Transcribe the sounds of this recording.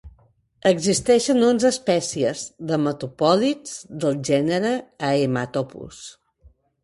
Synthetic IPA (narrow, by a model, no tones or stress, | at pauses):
əɡzist̪ɛʃənonzəspɛsiəzðəmət̪upɔlid͡zðəlˠʒɛnəɾəːemat̪ɔpṵs